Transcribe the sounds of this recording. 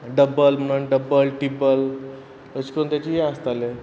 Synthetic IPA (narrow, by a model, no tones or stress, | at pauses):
ɖəbəlməɽənɖəbəlʈibəl | ət͡ʃkont̪jat͡ɕijeast̪ale